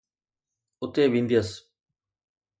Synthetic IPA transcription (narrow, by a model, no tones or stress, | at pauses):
ʊt̪eːʋĩːnd̪iəs